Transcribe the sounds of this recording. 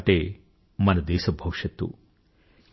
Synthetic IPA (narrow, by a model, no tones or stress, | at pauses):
ʈeː | mɐnɐd̪ɛːʃɐbʱɐwʂɐt̪ːṵ